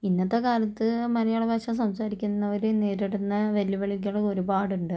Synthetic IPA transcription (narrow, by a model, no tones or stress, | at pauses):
inːɐt̪ːekaːɾɐt̪ːɨmɐɾɐjaːɭɐbaːɕɐs̬ɐmsaːɾikʲːunːɐʋɐɾuneːɾiɽunːɐʋelːiʋɐɭik̬ʲːuɽeo̞ɾubaːɽuɳɖɨ